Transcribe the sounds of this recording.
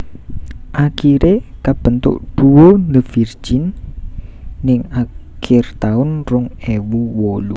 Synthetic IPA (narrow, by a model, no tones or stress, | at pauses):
ʔakiɾekab̥ənt̪ʊ̰ʔɖ̥uwoləv̥ir̥d͡ʒin | ɪŋakʰɪrt̪aʊnrʊŋewuwolu